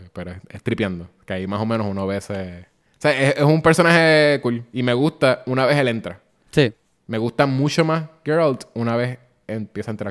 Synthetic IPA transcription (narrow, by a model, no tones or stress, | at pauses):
peɾoeseht̪ɾipjand̪okeaimaso̞mẽnosunoβese | seesesumpeɾso̞nahe̞kulime̞ɣust̪aunaβe̞sele̞nt̪ɾa | si | me̞ɣust̪amut͡ʃo̞masɡeɾald̪unaβe̞s | enpjesaent̪ɾa